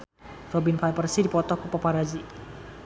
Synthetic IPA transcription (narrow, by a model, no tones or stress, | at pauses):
rɔbinfalpərsidipɔt̪ɔkupapaɾad͡ʒi